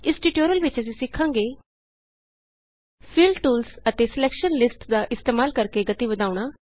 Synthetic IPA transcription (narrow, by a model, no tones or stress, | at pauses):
ɪsʈiʈoːɾəlʋɪt͡ʃəs̬ĩsɪkʰːãːŋɡeː | pʰɪlɖʈuːlsət̪eːsɪleːkʃənlɪsʈd̪aːʔɪst̪eːmaːlkəɾkeɡət̪iʋəd̪aːʊɽ̃aː